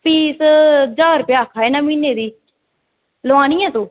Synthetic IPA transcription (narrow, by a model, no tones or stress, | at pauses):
piːsd͡ʒaːɾpjaːkʰaːeːnãːmiːneːd̪iː | loãːniːãːt̪õː